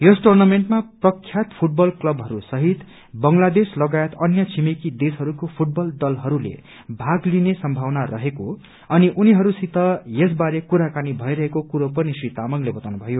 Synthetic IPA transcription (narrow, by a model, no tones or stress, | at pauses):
josʈornameɳʈmaprʌkʰːjat̪pʰuʈ̚bʌlklʌbɦʌɾusʌɦit̪ | bʌŋlad̪eslʌɡajet̪ʌnjʌt͡sʰimikid̪esʌɾukopʰuʈ̚bʌld̪ʌlɦʌɾulḛ | bʱaɡlinesʌmbʱawnarʌɦeko | ʌniʔuniɦʌɾusit̪ʌjes̬baɾekuɾakanibʱʌiɾʌɦekokuɾopʌnisrit̪amʌɡlebʌt̪awnubʱʌjo